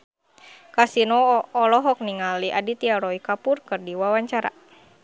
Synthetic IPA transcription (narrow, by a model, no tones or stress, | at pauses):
kasinɔːlɔɦɔk̚niŋaliʔadit̪iaɾɔikapurkɨrdiwawaɲt͡ʃaɾa̰